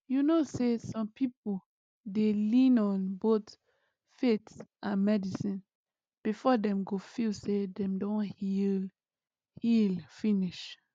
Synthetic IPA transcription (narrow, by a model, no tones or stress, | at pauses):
junosesɔ̃mpʰipo | delĩnɔ̃nbot | fetsʔãnmɛdisĩn | b̥ifɔdɛ̃mɡofilsedɛ̃mdõnhil | hilfĩniʃ